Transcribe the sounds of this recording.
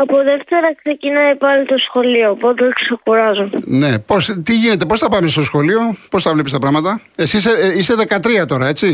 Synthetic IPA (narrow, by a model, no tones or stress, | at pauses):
ɐpoðe̞ft̪e̞ɾɐkse̞cinɐipɐlit̪o̞sxo̞lioːpot̪eksekuɾɐzone̞po̞st̪iʝine̞t̪̬e̞po̞sθɐpɐmest̪o̞sxo̞lio̞po̞sθɐvlepist̪ɐpɾɐɣmɐt̪ɐ | esiseise̞ðe̞kɐt̪ɾiɐt̪o̞ɾɐe̞t͡si